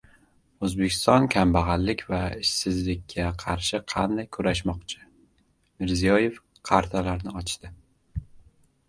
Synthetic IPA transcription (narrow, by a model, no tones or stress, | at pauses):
ɵzbekʲʰɪ̥st̪ɒnkʲʰambaʁɑlːɪkʲvaɪʃsɪzlɪkʲʰːaqʰɑɾʃɪqʰɑnd̪ajkʰʊɾaʃmɒqt͡ʃʰɪ̥ | mɪɾzijɒje̞f | qʰɑɾt̪ʰalaɾnɪɒt͡ʃd̪̥ɪ